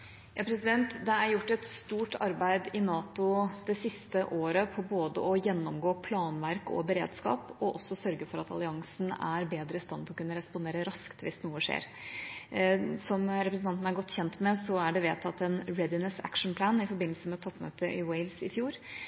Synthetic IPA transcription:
jɑːpʰɾɛsɪd̪ɛnt̪d̪ɛæɾjʊʈːɛt̪st̪uːʈɑ̰ɾbæɪd̪ɪnɑːt̪ʊd̪̥ɛsɪst̪əʔoːɾəpʰɔboːd̪ə̰ɔjɛnːɔmɡoːpʰlɑːnʋæɾkɔ̰bəɾḛːd̪skɑ̰ːpɔʔɔsːɔsœɾɡəfɔɾɑt̪ʰɑ̰lˠɪɑŋsn̩æɾbeːd̪ɾəɪst̪ɑnːt̪ʰlɔkʉnːəɾɛspʊnd̪eːɾəɾɑskt̪ʋɪsnuːəʂḛːɾ | sɔmɾɛpɾəsnʰɑnt̪n̩æɾɡɔt̪ːçɛnt̪mɛsɔæɖɛʋeːt̪ɑt̪ɛnɾɛd̪ɪnɛsæ̰kʂɳ̩pʰlæːnɪfɔɾbɪnːlsəmɛt̪ʰɔpːmø̰ːt̪əʔɪweɪlsɪfjuːɾ

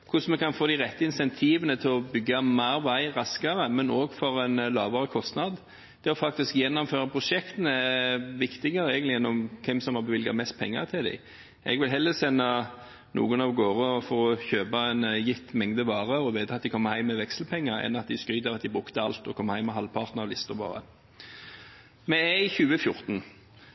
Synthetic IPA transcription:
kʰʊsmɛkʰɑnfoːd̪ɪʁɛt̪ːəɪnsɛnt̪ʰiːʋənət̪ʰɪlɔbʏɡːɑmæːɾʋæɪʁɑskɑʁəmɛnoːɡfɔɾɛnlɑ̰ːʋɑɾəkʰɔst̪nɑd̪ | d̪̥ɛɔfɑk̚t̪ɪskjɛnːɔmføːɾɑpʰɾʊʂɛkt̪ənəæʋɪkt̪ɪɡəɾəɛɡənt̪lɪɛnːɔmkʰɛmsɔmhɑbəʋɪlɡɑ̰mɛst̪̚pʰɛŋːə̰ʁt̪ʰɪld̪æ̰ɪ | ɛ̰ɡʋɪlɦɛlːəsɛnːɑ | nṵːɡʊnɑʋɡoːʁəɔfɔɾɔçøːbɑɛnjɪt̪ːmɛŋd̪əʋɑːʁəɔʋeːd̪əɑt̪̚d̪ɪkʰɔmːəhæɪmːɛʋɛkslpʰɛŋːəɾɛ̰nɑt̪̚d̪ɪskɾyːd̪əʁɑt̪̚d̪ɪbʁʉkt̪əɑlt̪ɔkʰɔmːhæɪmːɛɦɑlpʰɑʁt̪nɑlɪst̪əʋɑ̰ːʁə̰ | mɛɛɪçʉːəfjʊɾt̪n̩

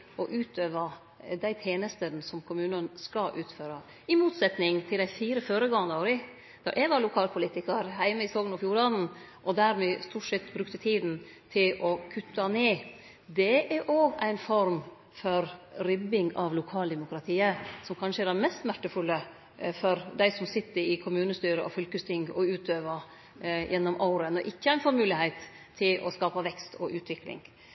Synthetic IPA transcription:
ʔɔʔʉːt̪ʰøːʋə | d̪æɪt̪ʰeːnəst̪ənsɔmkʰʊmʉːnənskɑʔʉːt̪føːɾɑ | ɪmuːt̪sɛt̪nɪŋt̪ʰɪld̪æɪfiːɾəføːɾəɡɑŋɑnoːɾɪ | d̪̥ɛ̰ɾʔɛɡʋɑlʊkʰɑːlpʰʊliːt̪ɪkɑɾhæɪməɪsoːɡənɔfjuːɾɑnn̩ | ʔɔd̪æɾmɛst̪uːʈsɛt̪ːbɾʉkt̪ət̪ʰiːd̪n̩ | t̪ʰɪlɔkʰʉt̪ːɑneː | d̪ɛʔæɾʔoːɡæɪnfɔɾm | fɔɾɾʏbɪŋɑʋlʊkʰɑːld̪ɛmʊkɾɑt̪ʰiːəsɔmkʰɑnʂəɛɖɛnmɛst̪smæʈːəfʉlːə | fɔɾd̪æɪsɔmsɪt̪ːəɾɪkʰʊmʉːnəst̪yːɾəʔɔ̰fʏlkəst̪ʰɪŋɡɔʉːt̪ʰøːʋə | jʔɛnːɔmʔɑʊɾənɔʔɪkːəæɾæɪnfɔɾmʉːlɪhɛɪt̪ʰː | ɪlʔɔ̰skɑːpɑʋɛkst̪ʰɔ̰ʔʉːt̪ʰʋɪklɪ̰ŋ

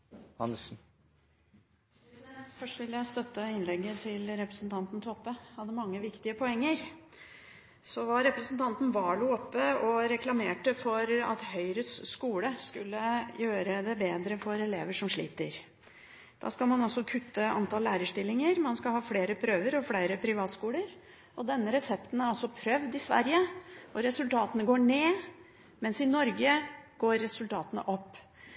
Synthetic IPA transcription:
hɑ̰nsn̩ | fœʂʈʋɪljæɪst̪œt̪ːəɪnlɛɡːət̪ʰɪlɾɛpɾəsnt̪ʰɑnt̪n̩t̪ʰəɔpːəhɑd̪ːəmɑŋːəʋɪkt̪ɪəpʰɔɛŋːəɾ | sɔʋɑɾɛpɾəsənt̪ʰɑnt̪n̩ʋɑːɭuːɔpːəɔɾɛklɑmeːʈəfɔɾɑ̰t̪hœʏɾəsːkuːləskʉlːəjøːɾəd̪ɛbeːd̪ɾəfɔɾɛleːʋəʂɔmʂɭḭːt̪əɾ | d̪̥ɑ̰ːskɑlmɑnɑsɔkʰʉt̪ːəɑ̰nt̪ɑːllæːɾəʂʈɪlːɪŋəɾmɑnskɑhɑːfleːɾəpʰɾøːʋəɾɔfleɪɾəpʰɾɪʋɑːt̪skuːləɾ | ɔd̪ɛnːəɾɛsɛpt̪n̩æɾɔsɔpʰɾœʋd̪ɪsʋæ̰ɾjəɔɾɛsʉlt̪ʰɑːt̪ənəɡoːɳeː | mɛnsɪnɔɾɡəɡ̥oːɾːɛsʉlt̪ʰɑːt̪ənə̰ʔɔpː

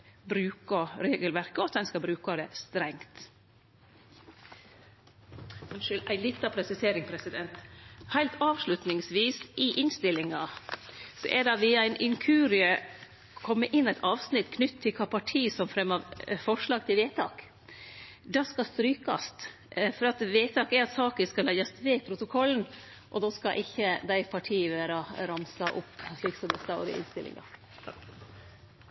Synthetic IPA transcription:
bɾʉːkɑɾeːɡəlʋæɾkəɔt̪̚dɛnskɑbɾʉːkɑd̪ɛst̪ɾɛŋt̪ | nʃølʔæɪlɪt̪ːɑpʰɾɛsɪseːɾɪŋpʰɾɛsɪd̪ɛnt̪hæɪlt̪ʰɑːʋʂlʉt̪nɪŋsʋiːsʔɪʔɪnst̪ɪlːɪŋɑ | sɔ̰ʔɛdɑʋiːɑæɪnʔɪŋkʰʉːɾɪə | kʰɔmːəʔɪnːæɪt̪ʰɑːʋsnɪt̪ːkʰnʏt̪ʰːɪlkʰɑːpʰɑʈʰiːsɔmfɾɛmːɑʋfɔʂɭɑːɡt̪ɪlʋeːt̪ʰɑ̰ːk | d̪ɑːskɑst̪ɾyːkɑ̰st̪ | fɔɾɑt̪ʋeːt̪ʰɑːkɛɾɑt̪sɑːkəskɑlɛjɑst̪ʋeːpʰɾʊt̪ʊkʰɔlən̩ | ʔɔd̪oːskɑʔɪçːəd̪æɪpʰɑʈʰiːəʋæːɾɑɾɑmsɑʔʊ̰pːʃɭiːksɔmd̪ɛst̪ɑʊɾɪ̰ʔɪ̰nst̪ɪlʔɪ̰ŋɑ̰

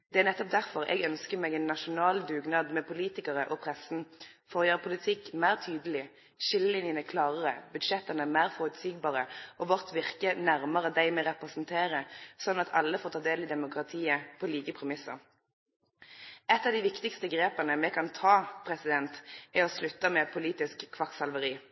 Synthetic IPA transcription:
d̪̥ɛæːʁnɛt̪ːɔp̚d̪æʁfɔʁɛ̰ɡœnskəmɛɡɛɪnːɑʃʊnɑːld̪ʉːɡnɑːd̪mɛpʊliːt̪ɪkəʁəʔɔpʰʁɛsn̩ | fɔʁɔjøːʁpʰʊlɪt̪ʰɪkːmæɪʁt̪ʰyːd̪əlɪ | ʃɪlːəlɪnjənəkʰlɑːʁəʁəbʉd̪ʃɛt̪ːənəmæɪʁfɔʁʉt̪siːɡ̚bɑːʁəʔɔʋɔʁt̪ʋɪʁkənæʁməʁəd̪æɪmɛʁɛpʁɛsnt̪ʰeːʁəsɔnːɑt̪ʰɑ̰lːəfoːʁt̪ʰɑːd̪eːlɪd̪ɛmʊkʁɑt̪ʰiːəpʰɔliːkəpʰʁɛmɪsəʁ | ɛt̪ːɑʋd̪ɪʋɪkt̪ɪkst̪əɡʁeːpɑnəmɛkʰɑnt̪ʰɑːpʰʁɛsɪd̪ɛnt̪ɛɔslʉt̪ːəmɛpʰʊliːt̪ɪskʰːʋɑksɑlʋəʁiː

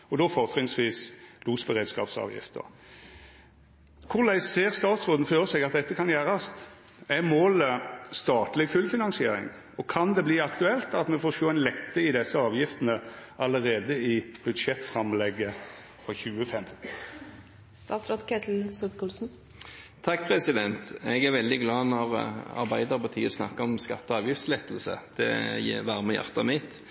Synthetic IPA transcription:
ɔd̪ɔfɔʁt̪ʰʁɪŋsʋiːsluːsbəʁeːd̪skɑ̰ːpsɑ̰ːʋjɪ̰ft̪ə̰ | kʰʊʁlæɪsseːʁst̪ɑːt̪sʁoːd̪n̩føːʁəsɛɡɑt̪̚d̪ɛt̪ːəkʰɑnjæːʁɑst̪ | æmoːləst̪ɑːt̪lɪɡfʉlfɪnɑnsɪeːɾɪ̰ŋ | ɔkʰɑnd̪ɛbliːɑkt̪ʉɛlt̪ɑt̪mɛfoːʂoːæɪnlɛk̪ːəɪd̪ɛsːəɑːʋjɪft̪ənəʔɑləɾeːd̪əɪb̥ʉd̪ʂɛt̪fɾɑmlɛɡːə | fɾɑçʉːəfɛm | st̪ɑ̰sɾɑt̪kʰɛt̪ʰl̩sʊpkʊlsn | t̪ʰɑk̚ːpʰʁɛsɪd̪ɛnt̪ɛɡæɾʋɛld̪ɪɡlɑːnɔʁɑ̰ɾbæɪd̪əʁpɑt̪ʰḭːəsnɑ̰kːəɔmskɑt̪ːɔɑːʋjɪft̪slɛt̪l̩sə̰d̪̥ɛ̰jʋæʁməjæ̰ʁt̪ɑmɪt̪

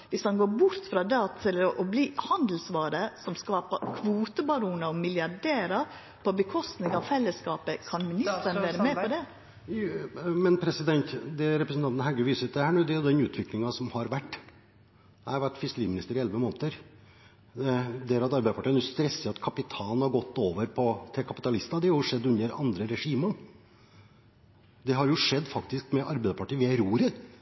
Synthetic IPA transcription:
ʋɪsɑnɡoːbʊɾt̪fɾɑd̪ɑt̪ʰɪlɔʔɔbliːhɑnd̪l̩sʋɑːɾəsɔmskɑːpəɾkʰʋuːt̪əbɑɾuːnɑɔmɪljɑɖeːɾɑ | pʰɔbəkʰɔst̪nɪŋɑʋfɛlːəskɑːpəkʰɑnmɪnɪst̪ənʋæːɾəmɛɔd̪ɛ | mɛnpʰɾɛsɪd̪ɛnt̪d̪ɛɾɛpɾəsn̩t̪ɑnt̪n̩hæɡəʋiːsəɾt̪̚d̪ɛhæːɳuːd̪ɛæʊd̪ɛnʉːt̪ʰʋɪklɪŋɑsɔmhɑɾʋæʈː | ɛhɑɾʋæʈːfɪskəɾiːmɪnɪst̪əɾɪɛlʋəmoːnt̪əɾ | d̪eːɾɑt̪ɑɾbɛɪəpɑʈiːnɛʊst̪ɾɛsːəɑt̪kʰɑpɪt̪ʰɑːnhɑɾɡɔt̪ːoːʋəɾpʰɔt̪ʰɪlkʰɑpɪ̥t̪ɑlɪst̪ɑd̪ɛhɑɾjʊʂɛd̪ːʉnːəɾɑ̰nd̪ɾəɾɛʂiːmə | d̪ɛɦɑɾjʊʂɛd̪ːfɑkt̪ɪskmɛʔɑɾbæɪd̪əpɑʈiːəʋɪæɪɾuːɾə

